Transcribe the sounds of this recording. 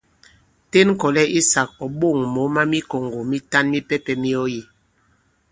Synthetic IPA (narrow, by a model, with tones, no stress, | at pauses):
te˦n˦kɔ˨lɛ˦i˦sa˨k̚ɔ˨ɓo˦˨ŋmo˨˦ma˦mi˦ko˨ŋɡo˨mi˦ta˦nmi˦pɛ˦pɛ˨mi˦ɔ˦ji˦˨